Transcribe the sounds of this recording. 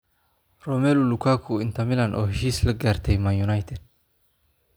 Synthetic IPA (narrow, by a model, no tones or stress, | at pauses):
rɔmɛlulukʰaːkʰuɪnt̪ʰɐmɪlanʔɔːhiːslɐɡaːɾt̪ʰɛjmajunajt̪ʰɛd̪̥̚